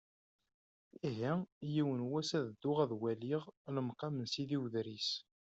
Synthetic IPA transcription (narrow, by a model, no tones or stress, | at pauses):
iɦijiwənwæsæðd̪ːʊʁæðwæliʁləmqɑmənsiðiwðɾis